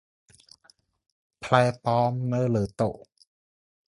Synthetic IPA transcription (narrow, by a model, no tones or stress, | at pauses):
pʰlajpɔːmnɤːlɤːt̪oʔ